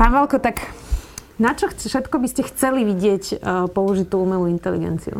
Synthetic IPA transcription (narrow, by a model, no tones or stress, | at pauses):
paːnʋalkɔt̪ak | nat͡ʃɔxfʃɛt̪kɔbiscɛxt͡sɛliʋiɟɪɛcpɔuʒit̪uumɛluint̪ɛlḭɡɛ̰nt͡sḭṵ